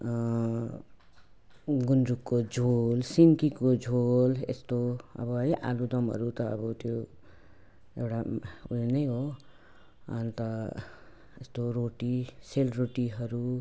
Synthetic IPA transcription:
ɡunɾukːod͡zʱolsinkikod͡zʱolḛst̪oʌ̰bʌiʔa̰lud̪ʌmɦʌ̰ɾut̪ʌ̰ːbʌt̪jo | ewʈaulinʌjɦo | ʌ̰nt̪ʌ | est̪oɾoʈiselroʈiɦʌɾu

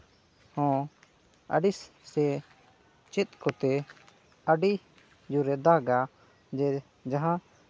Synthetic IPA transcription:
hɔ̃ | ə̰ɖis | sɛ | t͡ʃɛt̪̚kɔt̪ɛ | əɖi | d͡ʒuɾɛd̪aɡa | d͡ʒɛ | d͡ʒaɦã

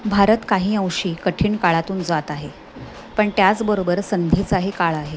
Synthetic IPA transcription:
bʱaɾət̪kaɦiːə̃wɕiːkəʈʰiːɳkaɭat̪uːnd͡zat̪aɦe | pəɳt̪jat͡sbəɾobəɾsənd̪ʱiːt͡saɦikaɭaɦe

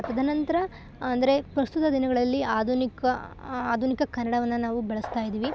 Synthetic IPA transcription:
ɐt̪ɐd̪ɐnɐnt̪ɐɾɐ | ɐnd̪ɐɾe̞pɾɐst̪ut̪ɐd̪inɐɡɐɭɐlːiaːd̪ʱunikɐaːd̪ʱunikɐkɐnːɐɽɐʋɐnːɐnaːʋubɛɭɐst̪aːjid̪iːʋi

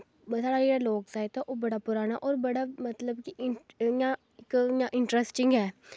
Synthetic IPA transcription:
saːɽaːeɾaloːksaːjt̪aʔoːbəɽaːpʊɾaːnaʔɔːɾbəɽaːmət̪ləbkijã | ɪkjãʔɪɳʈɾəsʈɪŋɡɦɛː

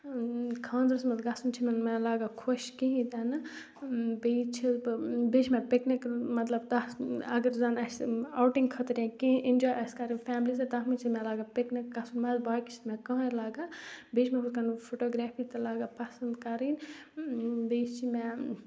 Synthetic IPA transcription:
kʰãːnzɾɐsmɐt̪ɡɐsunt͡ʃʰimɐnmɛlaːɡakʰoʃkẽɦĩd̪ɛnɨ | beːt͡ʃʰibbeːt͡ʃʰmɛ̃peknikmɐt̪lɐbt̪aɐ̰ɡəɾzaːnɐsawʈĩŋɡkʰɐt̪ɾjãkẽʔind͡ʒɔːjʔɐskɐɾinfʰɛːmlis̬et̪aɦmit͡ʃʰimɛ̃laːɡapeknikɡɐsunmɐzbaːki̥t͡ʃʰi̥t̪mɛ̃kɐ̃ɦlaːɡabeːt͡ʃʰmɛ̃kʰoskɐnpʰoʈoːɡɾɛːpʰit̪ɐlaːɡapɐsɐnd̪kɐɾin | beːʃt͡ʃʰimɛ̃

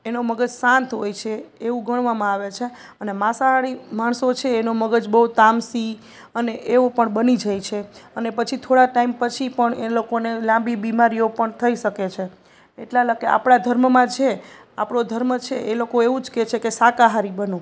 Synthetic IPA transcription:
enoməɡəd͡ʒsãnt̪ʰɦojt͡ʃʰeeʋũɡʱəɳʋamãaʋet͡ʃʰe | ənemãsaɦaɽimaɳsot͡ʃʰeːnoməɡəd͡ʒbəɦut̪amsi | əneʔeʋopəɳbənid͡ʒajt͡ʃʰeənepət͡ʃʰit̪ʰoɽaʈaimpət͡ʃʰipəɳelokonelãmbibimaɾijopəɳt̪ʰəiʃəket͡ʃʰe | eʈlaləɡea̰pɽ̃ad̪ʱəɾmmãt͡ʃʰe | apɽod̪ʱəɾmət͡ʃʰeelokoeʋũd͡ʒket͡ʃʰekesakaɦaɾibənõ

